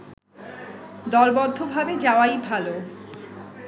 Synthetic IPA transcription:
d̪ɔlbɔd̪ʱːobʱabed͡ʑaoajbʱalo

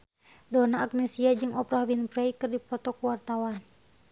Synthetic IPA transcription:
dɔnaːk̚nɛsiad͡ʒɨŋɔpɾahwinpɾɛikɨrdipɔt̪ɔkuwart̪awan

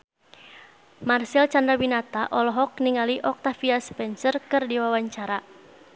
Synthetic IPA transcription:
marsilt͡ʃand̪ɾabinat̪aʔɔlɔɦɔk̚niŋaliʔɔk̚t̪afiaspɛnsərkɨrdiwawaɲt͡ʃaɾa

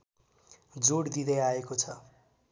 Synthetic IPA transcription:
d͡zoɽd̪id̪ʌjaekot͡sʰʌ

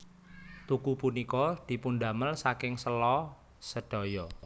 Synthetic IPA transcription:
t̪ukupunikɔd̪̥i̤punɖaməlsakɪŋsəlɔ | səɖ̥ɔ̤jɔ

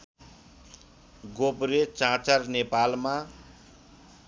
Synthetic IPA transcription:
ɡobɾet͡sãt͡sarnepalma

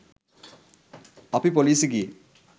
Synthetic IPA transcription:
ɐpipoliːsɨki

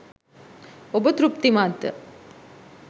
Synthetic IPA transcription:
obət̪ɾup̚t̪imaːt̪ːə̰

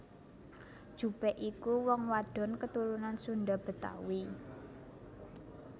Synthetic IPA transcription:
d̥ʒ̥ṳpɛʔikuwɔŋwaɖ̥ɔ̤nkət̪uɾunansunɖab̥ə̤t̪a̰wi

